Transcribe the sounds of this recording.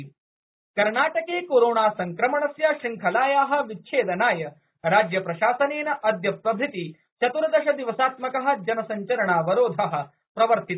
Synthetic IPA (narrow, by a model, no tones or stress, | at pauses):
kɐɾɳaːʈɐkeːkoːɾoːɳaːsɐŋkɾɐmɐɳɐsjaːʃiŋkʰɐlaːjaːɦɐ̆ʋit͡ʃʰeːd̪ɐnaːjɐ | ɾaːd͡ʒjɐpɾɐʃaːsɐneːnɐʔɐd̪jɐpɾɐbʱit̪i | t͡ʃɐt̪uɾɐd̪ɐʃɐd̪iʋɐsaːt̪mɐkɐɦɐ̆d͡ʒɐnɐsɐɲt͡ʃɐɾɐɳaːʋɐɾoːd̪ʱaːɦɐ̆ | pɾɐʋɐɾt̪it̪